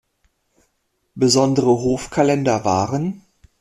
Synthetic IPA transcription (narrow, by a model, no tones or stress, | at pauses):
bəzɔndəʁəɦoːfkʰalɛndɐvaːʁən